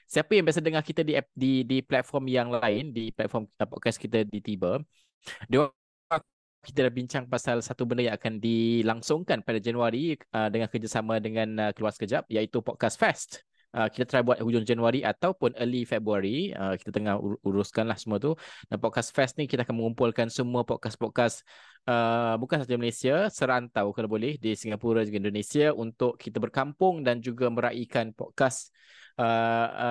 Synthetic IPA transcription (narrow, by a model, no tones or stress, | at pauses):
siapəjaŋbias̬adəŋahkit̪adididiplɛt̪̚fɔrmjaŋlaɪndiplɛt̪̚fɔmpɔ̰t̪̚kaskit̪adit̪ibə | diwa | a | kit̪̬adabiɲt͡ʃaŋpasalsat̪ubəndajãŋakandilaŋsʊŋkanpadad͡ʒanuaɾiədəŋakəd͡ʒasamãdəŋãnəkəluwarsə̥kəd͡ʒap̚jait̪upɔt̚kasfɛst̪ | ʔəki̥t̪at̪ɾajbuat̪̚hud͡ʒʊŋd͡ʒanuaɾiʔat̪awpʊnəlifɛbɾuaɾiəki̥t̪at̪əŋahuɾuskanlahsəmũat̪udanpɔt̚kasfɛst̪̚nikit̪akanmə̃ŋumpʊlkansəmuapɔt̚kaspɔt̚kas | əbukãnsaimalesiasəɾant̪awkalabolɛhdisiŋɡapuɾad͡ʒɡindonesiaʔunt̪ʊʔkʰit̪abərkampʊŋdand͡ʒuɡamə̃ɾaʔikanpɔ̰t̪̚kas | ə